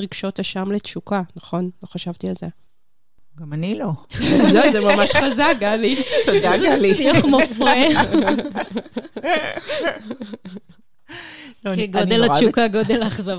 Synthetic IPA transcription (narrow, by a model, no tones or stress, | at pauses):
ʁiɡʃotaʃamlett͡ʃukanaχo̞nloχaʃavt̪ialze | ɡamanilozozemamaʃχazaɡaliazaɡaliiuχmofʁe | loeɡod̪elaʃukaɡod̪elaːχzav